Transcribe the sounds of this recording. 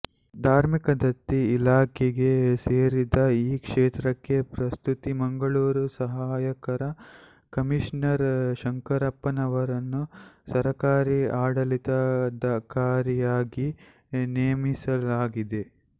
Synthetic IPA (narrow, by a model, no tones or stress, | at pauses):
d̪ʱaːɾmikɐd̪ɐt̪ːiilaːkʰeɡe̞seːɾid̪ɐiːkʂeːt̪ɾɐkːe̞pɾɐst̪ut̪imɐŋɡɐɭuːɾusɐɦaːjɐkɐɾɐ | kɐmiʃnɐɾʃɐŋkɐɾɐpːɐnɐʋɐɾɐnːusɐɾɐkaːɾiaːɽɐlit̪ɐd̪ɐkaːɾɐjaːɡi | nejːmisɐlaːɡid̪e̞